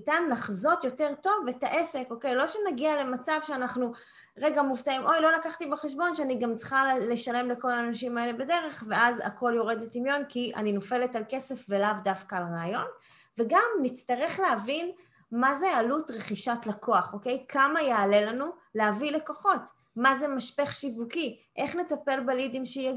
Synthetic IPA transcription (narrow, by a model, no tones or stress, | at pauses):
nitanlaχzo̞tjo̞teʁto̞vːetaʔe̞seko̞ke̞jlo̞ʃenaɡiale̞mat͡savʃeanaχnu | ʁe̞ɡamuvtaimʔo̞jlo̞lakaχtibeχeʃbo̞nʃeaniɡamt͡sχale̞ʃale̞mle̞ko̞laːnaʃimae̞le̞bade̞ʁe̞χveʔaza̰ko̞ljo̞ʁe̞dletimjo̞nkiʔa̰ninofe̞letalke̞se̞fvelavdafkaːlʁaːjo̞n | ve̞ɡamnit͡staʁe̞χleavin | mazealutʁeχiʃatlako̞aχo̞ke̞jkamajeale̞lanu | leavileko̞χo̞t | maze̞maʃpeχʃivukiʔe̞χne̞tape̞lbelidimʃi